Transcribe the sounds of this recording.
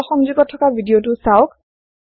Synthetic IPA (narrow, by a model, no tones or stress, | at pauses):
ɔxɔŋzuɡɔtʰːɔkabʱidijotʊsaʊk